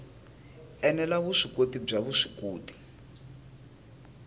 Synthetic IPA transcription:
ɛnɛlaβuʂikotib͡ʐaβuʂi̥koːti̥

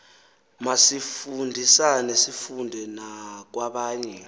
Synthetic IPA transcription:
masifundʱisanesifundʱɛnak̬waɓaːɲɛ

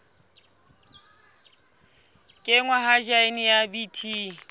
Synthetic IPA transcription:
kʼɪŋwaɦad͡ʒaɪnɪjabitʰiː

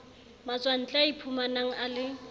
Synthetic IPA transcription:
mat͡sʼwan̩t͡ɬʼaipʰumanaŋ̩alɪ

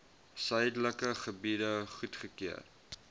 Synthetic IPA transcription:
sœjdələkəχəbidəχutχəkiə̰r

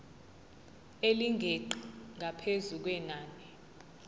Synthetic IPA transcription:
eliŋʱeǃiŋʱapʰezuk̬wɛnaːnɛ

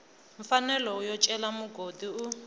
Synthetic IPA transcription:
ɱ̩fanɛlɔujɔt͡ʃʼɛlamuɡodiu

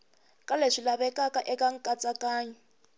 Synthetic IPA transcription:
kʼaleʂilaβɛkʼakʼaʔɛkʼaŋ̩kʼat͡sʼakʼaːɲɛ

